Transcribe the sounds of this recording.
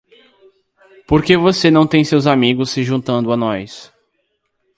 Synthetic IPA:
poɾkevosenɐ̃w̃t̪ẽj̃sewzamiɡʊsːɪʒũt̪ɐ̃nd̪ʊanɔjs

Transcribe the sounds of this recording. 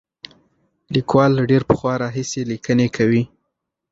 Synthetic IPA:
likwɑlɖeɾpə̥xwɑɾɑɦiselikənekʰawi

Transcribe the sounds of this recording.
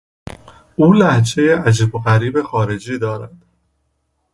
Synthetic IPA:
ʔuːlæht͡ʃʰe̞jeʔæd͡ʒiːboɣæɾiːbe̞xɒːɾe̞d͡ʒiːd̪ɒːɾæd̪̥

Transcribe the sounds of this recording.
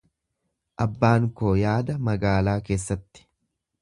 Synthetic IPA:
ʔɐbːaːŋkoːjaːd̪ɐmɐɡaːlaːke̞ːsːɐt̪ːɪ̥

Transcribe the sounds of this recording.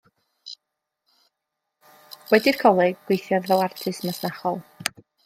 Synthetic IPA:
wɛdirkʰɔlˠɛɡɡ̥wejθjɔðvɛlˠartʰɨsmasnaχɔlˠ

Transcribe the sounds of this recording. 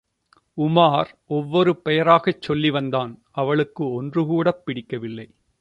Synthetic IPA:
ʊmaːɾ | ɔʋːɔɾɯpɛjɐɾaːɣɐt͡ʃːɔlːiʋɐnd̪aːn | ɐʋɐɭɯkːɯɔndrɯkuːɽɐpːɪɽɪkːɐʋɪlːɐɪ

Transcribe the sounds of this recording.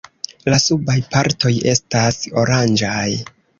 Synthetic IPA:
lasubajpaɾto̞je̞̰staso̞ɾand͡ʒaj

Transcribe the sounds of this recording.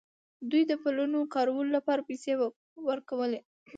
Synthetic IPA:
d̪ujd̪əpəlunokɑɾawəlolapɑɾapese | wəɾkawəle

